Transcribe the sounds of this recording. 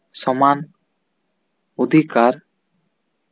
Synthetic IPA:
sɔman | od̪ʱikaɾ

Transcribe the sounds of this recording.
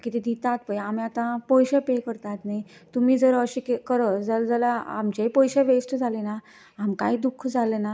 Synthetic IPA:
kit̪id̪it̪at̪̚pəjamiat̪ãpɔjɕapekəɾt̪at̪nait̪um̤iːd͡zəɾəɕikekəɾəd͡zəld͡zəlaa̰mt͡ɕepɔjɕeʋesʈd͡zʱalena | amkaid̪ukʰd͡zʱalena

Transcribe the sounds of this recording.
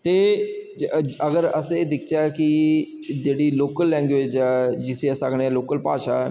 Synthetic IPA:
t̪eː | ɐɡəɾəsed̪ɪkʰt͡ʃaki | d͡ʒeːɽiloːkəlːɛ̃ːŋɡʋeːd͡ʒɛːd͡ʒɪsiəsakʰɽeɛloːkəlpa̰ːʃa

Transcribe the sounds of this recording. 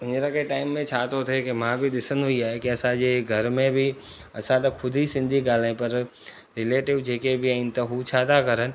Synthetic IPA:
ɪ̃ɲd͡ʒɾakeʈaːɪmːẽt͡ʃʰaːt̪ot̪ʰekemãbʱid̪ɪsənɦʊiaːekiɐsãd͡ʒeɡʱɐɾmẽbʱi | ɐsãt̪ɐkkʰʊd̪ʱisɪ̃nd̪ʱiɡaːlːẽpɐɾ | ɾɪleːʈɪʋd͡ʒeːkebʱiãɪ̃nt̪aɦut͡ʃʰaːt̪akɐɾən̆

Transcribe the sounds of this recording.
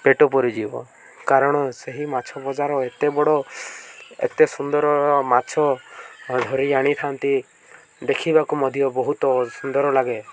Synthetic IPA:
peʈɔpɔɾid͡ʒibɔ̰ | kaɾɔɽ̃ɔseɦimat͡ʃʰɔbɔd͡ʒaɾɔet̪ebɔɽɔ | ḛt̪esund̪ɔɾɔɔmat͡ʃʰɔ | d̪ʱɔɾiaɽ̃it̪ʰant̪i | d̪ekʰibakumɔd̪ʱijɔbɔɦut̪ɔsund̪ɔɾɔlaɡe

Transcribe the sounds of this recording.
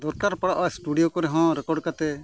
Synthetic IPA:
d̪ɔɾkaɾpəɽaʔɔsʈuɖijokɔɾɛɦɔ̃ɾɛkɔɖkat̪ɛ

